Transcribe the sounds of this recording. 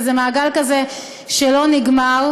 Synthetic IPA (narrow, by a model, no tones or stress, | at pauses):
zemaːɡalkaze | ʃelo̞niɡmaʁ